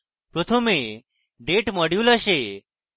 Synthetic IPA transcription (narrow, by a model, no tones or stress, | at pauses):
pɾot̪ʰəme | ɖeʈməɽjuləʃe